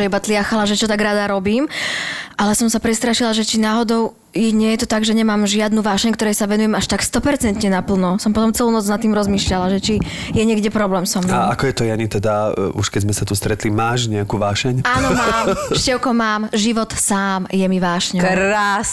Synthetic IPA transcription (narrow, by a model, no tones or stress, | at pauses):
ɛibat̪liaxalaʒɛt͡ʃɔt̪aɡɾad̪aɾɔbiːmʔalɛsɔmsapɾɛst̪ɾaʃilaʒɛt͡ʃinaːɦɔd̪ɔʊ | jɲɪɛjɛt̪ɔt̪aɡʒɛɲɛmaːmʒɪad̪nuʋaːʃɛɲkt̪ɔɾɛjsaʋɛnujɛmaʃt̪akst̪ɔpɛɾt͡sɛnt̪ɲɛnapl̩nɔsɔmpɔt̪ɔmt͡sɛluːnɔd͡znat̪ːiːmɾɔzmiːʃʎalaʒɛt͡ʃi | jɛɲɪɛɡɟɛpɾɔblɛːmsɔmnaakɔjɛt̪ɔjaɲit̪ɛd̪auʃkɛzmɛsat̪ust̪ɾɛt̪limaːʃɲɛakuʋaːʃɛɲaːnɔmaːmʃcɛʊkɔmaːmʒiʋɔt̪saːmjɛmiʋaːʃɲɛɾaːs